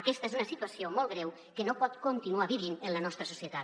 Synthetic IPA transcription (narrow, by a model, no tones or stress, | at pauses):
əkɛst̪əezunəsit̪uəsiomɔlɣɾɛw | kənopɔt̪kont̪inuaβiβinənlənɔst̪ɾəsu̥sijət̪at̪